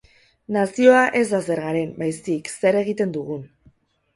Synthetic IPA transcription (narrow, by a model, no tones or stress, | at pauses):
nasio̞aʔe̞zd̪ase̞ɾɣaɾe̞mbajsikse̞ɾe̞ɣ̞it̪e̞nd̪uɣ̞un